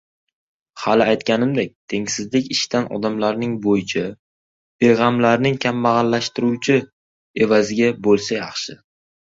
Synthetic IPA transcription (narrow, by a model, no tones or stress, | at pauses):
halɪajt̪kʲanɪmd̪ek̚ʲt̪ʰe̞ŋsɪzlɪkʲɪʃt̪anʔɒ̰d̪amlaɾnɪŋbojɪt͡ʃʰa | pʰejʁɑmlaɾnɪŋkʲʰamːaʁɑlːaʃt̪ɪɾuwt͡ʃʰɪ | e̞vazɪɡʲabolˠsajɑχʃɪ